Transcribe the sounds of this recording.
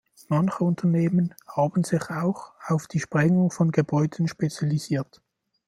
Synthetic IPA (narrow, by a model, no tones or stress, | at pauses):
mɑnçəʊntʰɐneːmənhaːbən̩z̥ɪçaʊxaʊfd̥iːʃpʁ̥ɛŋʊŋfɔnɡəbɔʏdən̩ʃpet͡sjaliziːɐt